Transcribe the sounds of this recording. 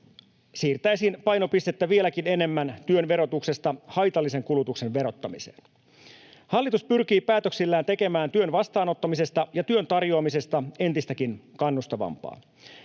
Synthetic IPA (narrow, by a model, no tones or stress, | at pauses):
siːrt̪æjsinpɑjno̞pist̪et̪ːæʋie̞lækine̞ne̞mːænt̪yønʋe̞ɾo̞t̪ukse̞st̪ɑhɑjt̪ɑlːise̞ŋkulut̪ukse̞nʋe̞ɾo̞t̪ːɑmise̞̰ːn | hɑlːit̪uspyrk̟iːpæːt̪øksilːæːnt̪e̞ke̞mæːnt̪yø̞nʋɑst̪ɑːno̞t̪ːɑmise̞st̪ɑjɑt̪yø̞nt̪ɑrjo̞ɑmise̞st̪ɑe̞nt̪ist̪ækinkɑnːust̪ɑʋɑ̰mpɑ̰ː